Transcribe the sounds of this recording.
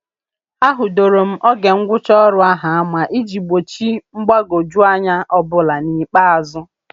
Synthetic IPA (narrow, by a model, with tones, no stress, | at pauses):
a˦ɦʊ˨do˨ɾo˨m̩˦ʔɔ˦ɡe˨ŋ̩˦ɡʷʊ˦t͡ʃɔ˦ɾʊ˨a˦ɦa˨a˦ma˨ʔi˦d͡ʒi˨ɡ͡bo˨t͡ʃi˦ŋ͡m̩˦ɡ͡ba˦ɡo˨d͡ʒu˦a˦ɲa˦ʔɔ˦bʊ˦la˨ni˨k͡pa˦a˨zʊ˦